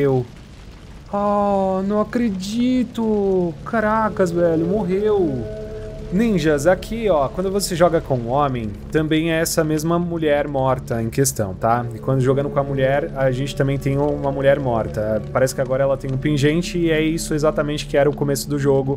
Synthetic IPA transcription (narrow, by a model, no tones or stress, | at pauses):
ew | ɔnɐ̃w̃akɾed͡ʒit̪ʊkaɾakɐzvɛʎʊmoɦew | nĩʒɐzakʰiɔkwɐ̃nd̪ʊvoseʒɔɡɐkõũõmẽj̃t̪ɐ̃mbẽj̃ɛɛsɐmezmɐmuʎɛɾmɔɾt̪ɐẽj̃kest̪ɐ̰̃w̃t̪aɪkwɐ̃nd̪ʊʒoɡɐ̃nd̪ʊkõɐmuʎɛɾɐʒẽnt͡ʃɪt̪ɐ̃mbẽj̃t̪ẽj̃ũũmɐmuʎɛɾmɔɾt̪ɐɛpaɾɛsɪ̥kɪaɡɔɾɐɛlɐt̪ẽj̃ũpẽʒẽnt͡ʃɪːɛisʊezat̪ɐmẽnt͡ʃɪ̥kɪɛɾɐʊkomesʊd̪ʊʒoɡʊ